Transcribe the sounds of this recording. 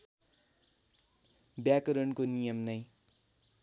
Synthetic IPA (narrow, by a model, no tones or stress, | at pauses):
bjakʌɾʌnkonijʌmnʌj